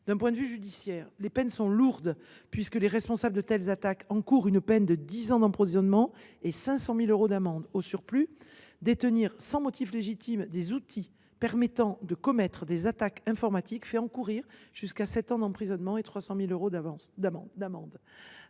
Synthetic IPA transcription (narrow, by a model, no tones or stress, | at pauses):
d̪̥ɛ̃p̬wɛ̃d̪əvyʒyd̪isjɛːʁlepɛnsɔ̃luʁd̪ | pɥiskəleʁɛspɔ̃sabld̪ət̪ɛlzat̪akɑ̃kuʁynpɛnd̪əd̪izɑ̃d̪ɑ̃pχovizɔnmɑ̃esɛ̃sɑ̃miløʁod̪amɑ̃d̪osyʁply | d̪et̪əniʁsɑ̃mɔt̪ifleʒit̪imd̪ezut̪ʰi | pɛʁmɛt̪ɑ̃d̪əkɔmɛt̪χəd̪ezat̪akɛ̃fɔʁmat̪ikfɛɑ̃kuʁiʁʒ̥yskasɛt̪ɑ̃d̪ɑ̃pχizɔnmɑ̃et̪χwasɑ̃miløʁõd̪amɑ̃d̪amɑ̃d̪